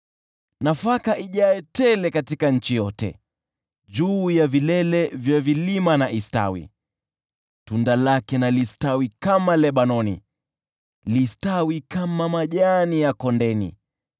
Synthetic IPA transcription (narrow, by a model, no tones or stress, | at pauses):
nafakaʔiʄaɛtɛlɛkatikaɲ̩t͡ʃijɔtɛ̰ | d͡ʒuːjavilɛlɛvjavilimanaʔista̰wḭ | tundalakɛnalistawikamalɛɓanɔnḭ | listawikamamaʄanijakɔndɛnḭ